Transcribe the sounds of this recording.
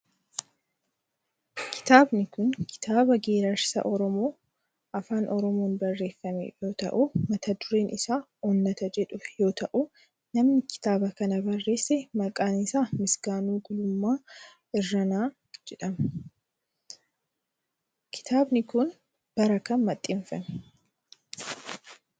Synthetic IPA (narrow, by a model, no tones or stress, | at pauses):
kʰɪ̥t̪aːbnɪkʊnkʰɪ̥t̪ʰaːbɐɡeːɾɐɾsɐ̰ʔɔɾɔmo̞ː | ʔɐfaːnʔɔɾɔmo̞ːnbɐrːe̞ːfːɐmḛjo̞ːt̪ɐ̰ʔʊmɐt̪ɐd̪ʊɾe̞ːnɪsaː | onːɐt̪ɐd͡ʒɛᶑʊjo̞ːt̪ɐʔʊ | nɐmnɪkɪ̥t̪aːbɐkɐnɐbɐrːe̞ːsːɛmɐkʼːaːnɪsaːmɪsɡ̥aːnuːɡʊlʊmːaː | ɪrːɐnaː | d͡ʒɛᶑɐmɐ | kʰɪ̥t̪aːbnɪkʊn | b̥ɐɾɐkɐnmɐt̪ʼːɪɱfɐm